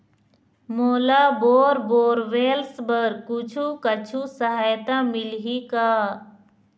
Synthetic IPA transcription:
moːlaboːɾboːɾʋeːlsbəɾkʊt͡ʃʰukət͡ʃʰusəɦaːjt̪amɪlɦikaː

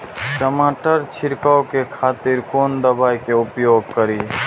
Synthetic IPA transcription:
ʈəmaːʈəɾt͡ʃʰɪɾkaːokekʰaːt̪ɪɾkoːnd̪ɐbaːikeʊpjoːɡ̚kəɾiː

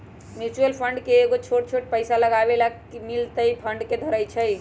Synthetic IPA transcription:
mjut͡ʃuəlpʰəɳɖkeːɡot͡ʃʰoʈ̚t͡ʃʰoʈpəɪsaləɡabelakimilt̪əjpʰəɳɖked̪ʱəɾəjt͡ʃʰəj

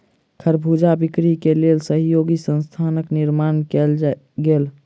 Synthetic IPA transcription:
kʰəɾbʱud͡ʒabikɾikelelsəɦjoɡisə̃nst̪ʰanəkniɾmankel | ɡel

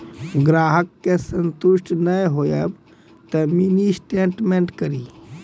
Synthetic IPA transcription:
ɡɾaːɦəkːesənt̪uʃʈnəjɦojəb | t̪əminisʈeɳʈmeɳʈkəɾi

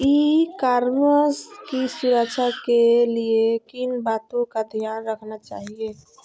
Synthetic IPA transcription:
ikaɾməskisuɾat͡ʃʰakeliekinbat̪õkad̪ʱjanɾəkʰnat͡ʃa̰ːɦie

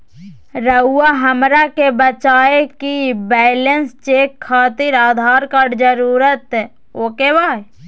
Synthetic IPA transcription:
ɾəuwaɦəmɾakebət͡ʃaːekibɛːlənst͡ʃeːkʰːaːt̪ɪɾaːd̪ʱaːɾkaɾd͡ʒəɾuːɾət̪ | oːkebaːe

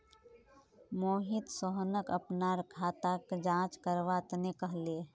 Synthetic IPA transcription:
moːɦɪt̪səɦnəkəpnaɾəkʰat̪akd͡ʒãːt͡ʃkəɾʋat̪nekəɦleː

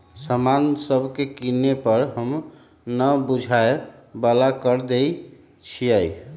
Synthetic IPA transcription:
səmansəbʱkekinepəɾɦəm | nəbud͡ʒʱaebəlakəɾd̪ei | t͡ʃʰiəj

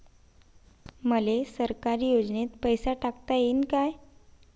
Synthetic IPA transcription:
məlesəɾkaɾiːjod͡znet̪pəjsaʈakt̪ajenkaj

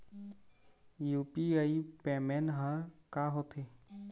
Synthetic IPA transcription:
juːpiəipemenɦə̃kaɦot̪ʰe

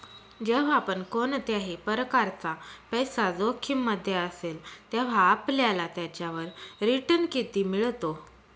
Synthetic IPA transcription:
d͡ʑeʋ̤aapəɳkoɳt̪jaɦepəɾkaɾt͡sapəjsad͡zokʰimːəd̪ʱːjeəselt̪jaʋ̤aːpljalat̪jat͡ɕjaʋəɾɾiʈənkit̪iːmiɭt̪o

